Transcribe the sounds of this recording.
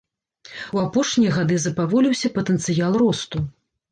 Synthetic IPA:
wapɔʂnʲijɐɣad̪ɨzɐpavɔlʲiwsʲɐpɐt̪ɛnt̪sɨjalˠrɔst̪u

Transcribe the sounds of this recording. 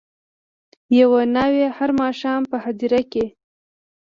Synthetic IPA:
jawanawehaɾmɑʃɑmpəhad̪iɾake

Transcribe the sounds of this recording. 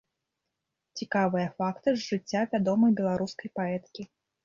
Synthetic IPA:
t͡sʲikavɨjɐfakt̪ɨzʐɨt͡sʲːavʲad̪ɔmɐjbʲɛlˠaɾuskɐjpaɛt̪kʲi

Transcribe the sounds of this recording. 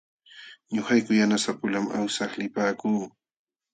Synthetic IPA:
ɲoχajkʊjanasapʊlama̰wsɑχlɪpaːkuː

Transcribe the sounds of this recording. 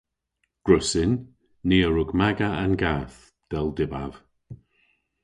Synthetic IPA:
ɡ̥ɹʊsɪnː | eːəɹʊɡmaɡaanɡaːθ | d̪̥ɛlˠdɪba̰v̥

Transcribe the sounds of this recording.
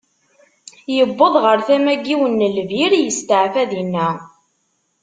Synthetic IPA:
jəbːəðˤʁəɾθæmæɡːiwənːəlviɾjəst̪əʕfæðinːæ

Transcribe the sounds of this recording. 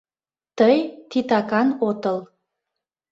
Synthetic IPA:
t̪əjt̪it̪ɑkɑnot̪əl

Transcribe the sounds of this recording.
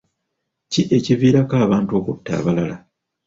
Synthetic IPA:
ciʔe̞civiːɾakaːβaːnto̞kutːa̰ːβalala

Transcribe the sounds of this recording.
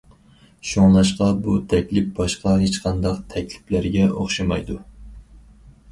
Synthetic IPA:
ʃoŋlˠɑʃqɑbut̪ʰɛkʲlɪp̚bɑʃqɑɦet͡ʃqʰɑnd̪ɑqt̪ʰɛkʲlɪ̥plæɾɡʲɛoχʃɑmɑjd̪u

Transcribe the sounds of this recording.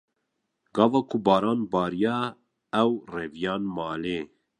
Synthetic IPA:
ɡɑːvɑːkʰʊbɑːɾɑːnbɑːɾijɑː | ɛwrɛvijɑːnmɑːleː

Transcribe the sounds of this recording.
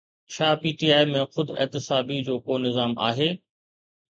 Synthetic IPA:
t͡ɕʰaːpiːʈiːaːimẽxʊd̪ɪ̰ɦt̪ɪsaːbid͡ʑoːkoːnɪzaːma̰ːɦeː

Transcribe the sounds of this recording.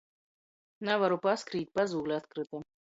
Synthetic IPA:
navaɾʊpaskɾit̪̚ʲpazulɛat̪kɾɨt̪ɨ

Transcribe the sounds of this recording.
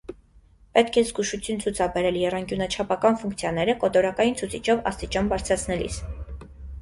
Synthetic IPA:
pɛt̪kʰɛzɡuʃut͡sʰjunt͡sʰut͡sʰɑbɛɾɛljɛrɑŋkjunət͡ʃʰɑpʰɑkɑnfuŋkt͡sʰjɑnɛɾəkɔt̪ɔɾɑkɑjint͡sʰut͡sʰit͡ʃʰɔvɑ̰st̪it͡ʃɑnbɑɾt͡sʰɾɑt͡sʰnɛlḭs

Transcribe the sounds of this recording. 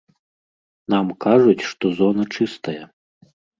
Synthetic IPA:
namkaʐut͡sʲʂt̪ɔzɔnɐt͡ʂɨst̪ɐjɐ

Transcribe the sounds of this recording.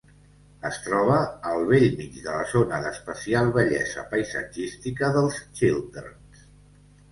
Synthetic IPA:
əst̪ɾɔβ̞əːlˠβeʎmid͡ʒðələzonəðəspəsialˠβəʎɛ̰zə̰pəjsə̰d͡ʒist̪ikəðəlˠst͡ʃilˠd̪ə̰ɾ | s

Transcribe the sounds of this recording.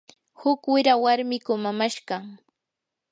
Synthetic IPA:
hʊkwɪɾawaɾmɪkʊmamaʃɢɑ

